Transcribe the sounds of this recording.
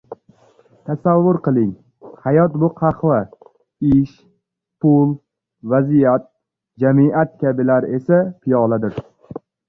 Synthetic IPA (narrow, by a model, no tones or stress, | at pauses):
t̪ʰasavːʊɾqɨlˠɪŋ | hajɒt̪bʊqʰɑχva | ɪʃ | pʰʊlˠ | vazijat̪̚ | d͡ʒamɪʔat̪kʲʰabɪlaɾe̞sapʰijɒlˠad̪ɪɾ